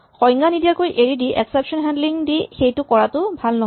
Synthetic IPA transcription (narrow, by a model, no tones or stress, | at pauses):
xɔjŋɡanidijaɹkojʔeɹidiʔɛksepʃɔnɦɛndliŋdixejtʊkɔɹatʊbʱalnɔɦ